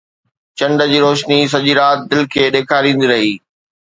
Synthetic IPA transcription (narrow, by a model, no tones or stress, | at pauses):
t͡ɕɐ̃ɳɖəd͡ʑiːɾoːʃnis̬ɐʄiːɾaːt̪̚d̪ɪlkʰeːɗeːkʰaːɾĩːn̆d̪iɾɐɦiː